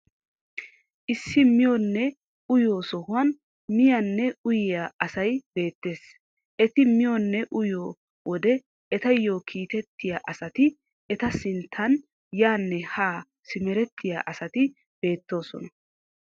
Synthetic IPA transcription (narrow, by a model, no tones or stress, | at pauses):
ʔɪsːɪmɪjonːɛ | ʊjoːsɔhʊɐn | mɪjɐnːɛʊjɪjaʔɐsɐjb̥e̞ːt̪ːe̞ːs | ʔɛt̪ɪmɪjonːɛʔʊjoː | wɔd̪ɛ | ɛt̪ɐjːoːkʰiːt̪ɛt̪ːɪjaːʔɐsɐt̪ɪ | ɛt̪ɐsɪnt̪ʰːɐn | jaːnːɛhaː | sɪmɛɾɛt̪ːɪja̰ʔɐsɐt̪ɪ | b̥e̞ːt̪ːo̞ːsɔ̰nɐ